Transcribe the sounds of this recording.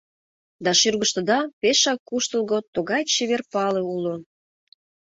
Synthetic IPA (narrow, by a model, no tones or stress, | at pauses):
d̪ɑʃyrɣəʃt̪ə̆d̪ɑpeʃɑkːuʃt̪əlˠɣot̪oɣɑjt͡ɕeβerpɑlĕulo